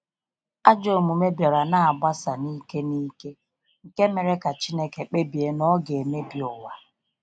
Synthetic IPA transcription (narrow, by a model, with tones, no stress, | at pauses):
a˦d͡ʒo˨mu˨me˦bja˨ɾa˨na˦˨a˨ba˦sa˨ni˦ke˦niː˦ke˦ | ŋ̩˨ke˦me˨ɾe˦ka˨t͡ʃi˦ne˦ke˨k͡pe˦bi˨e˦nɔ˦ɡe˨me˦bi˨ɔ˨wa˨